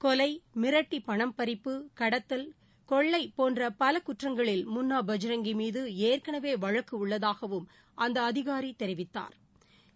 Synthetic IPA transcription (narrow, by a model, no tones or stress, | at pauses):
kɔlɐɪmɪɾɐʈːipɐɳɐmpɐɾɪpːɯkɐɽɐt̪ːɐl | kɔɭːɐɪpoːndrɐpɐlɐkʊʈrɐŋɡɐɭɪlmʊnːaːbɐd͡ʒɐɾɐŋɡimiːðɯeːrkɐɳɐʋeːʋɐɻɐkːɯʊɭːɐðaːɣɐʋɯm | ʔɐnd̪ɐːðɪɣaːɾit̪ɛɾɪʋɪt̪ːa̰ːɾ